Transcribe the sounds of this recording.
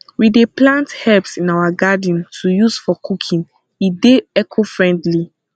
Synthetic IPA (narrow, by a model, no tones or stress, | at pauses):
wideplãnthɛpsĩnawaɡad̃ntʰujusfɔkʰukʰĩn | ideɛkʰofɹɛ̃ndli